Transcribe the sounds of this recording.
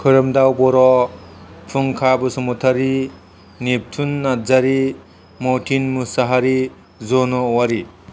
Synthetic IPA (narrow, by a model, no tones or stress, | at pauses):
kʰɯɾɯmdawpɔɾɔ | pʰuŋkʰabɯsɔmutʰaɾi | nep̚tʰunːazaɾi | mɔtʰinmusaɦaɾi | zɔnɔwaɾi